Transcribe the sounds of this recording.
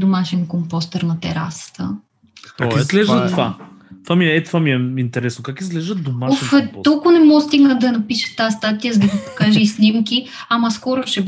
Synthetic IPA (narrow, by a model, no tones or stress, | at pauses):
d̪omaʃɛnkompɔst̪ɛɾnɐt̪ɛɾa̰sə̥t̪ə̰ | kaizɡlɛʒət̪va | t̪vamiɛɛt̪vamiɛint̪ɛɾɛsnokakizɡlɛʒd̪əd̪omaofɛt̪ɔlˠkʊnɛmɔst̪iɡnəd̪ɐnɐpiʃə̥t̪ast̪at̪ijəzɐd̪ɐɡipo̥kaʒəisnimkʲiamɐskɔɾʊʃɛ